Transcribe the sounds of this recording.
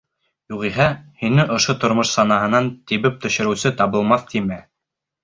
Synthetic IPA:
juʁiɦæhinɘʔŏʃot̪ŏɾmoʃsɑnɑɦɤ̆nɑnt̪iβɘp̚t̪ɵ̆ɕɘ̆ɾɘ̆wsɘt̪ɑβɤ̆lˠmɑθt̪imæ

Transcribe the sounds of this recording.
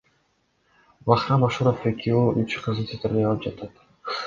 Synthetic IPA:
bɑχɾɑnɑʃuɾofekʰʲioyt͡ʃqʰɯzt̪ʰet̪ɪɾd̪ejɑlˠɯp̚d͡ʒɑt̪ɑt̪

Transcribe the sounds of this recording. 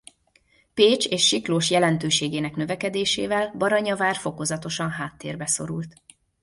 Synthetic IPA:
peːt͡ʃeːʃːikloːʃjɛlɛnt̪øːʃeːɡeːnɛknø̞vɛkɛd̪eːʃeːvɛlbɒɾɒɲɒvaːrfo̞ko̞zɒt̪o̞ʃɒnɦaːt̪ːeːrbɛso̞̰ɾult̪

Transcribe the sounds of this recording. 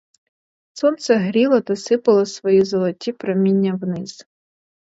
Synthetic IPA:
sɔnt̪sɛɦɾʲilˠɐt̪ɐsɪpɐlˠɐsʋɔjizɐlˠɔtʲipɾɐmʲinʲːɐwnɪz̥

